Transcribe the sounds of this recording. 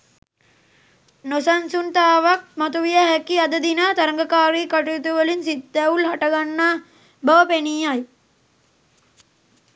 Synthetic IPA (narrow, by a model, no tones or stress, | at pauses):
nosansunt̪aːʋak̚mat̪uʋijaɦækiad̪əd̪inaːt̪aɾəŋɡɐkaːɾiːkaʈuit̪uʋəlinsid̪ːæulɦaʈɐɡanːaː | bɐʋəpeniːaj